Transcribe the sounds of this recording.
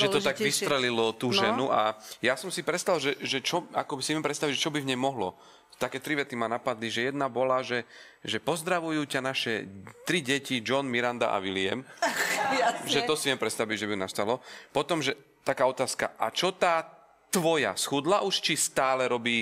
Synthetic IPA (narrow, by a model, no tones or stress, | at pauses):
ʒɛt̪ɔt̪aɡʋisɾɛlilɔt̪uːʒɛnuʔajasɔmsipɾɛt̪st̪alʒɛʒɛt͡ʃɔa̰kɔbisiʋjɛmpɾɛt̪st̪aʋiɟʒɛt͡ʃɔbivɲɛjmɔɦlɔ | t̪akɛːt̪ɾiʋɛt̪imanapad̪liʒɛjɛd̪nabɔlaʒɛ | ʒɛpɔzd̪ɾaʋujuːcanaʃɛt̪ɾiɟɛcid͡ʒɔnmiɾand̪a̰ʔa̰ʋilɪɛ̰m | ʒɛt̪ɔsivjɛmpɾɛt̪st̪aʋiɟʒɛbiunast̪alɔpɔt̪ɔmʒɛ | t̪akaːɔt̪aːska̰ʔa̰t͡ʃɔt̪aː | t̪ʋɔja̰sxud̪laʔuʃt͡ʃist̪aːlɛɾɔbiː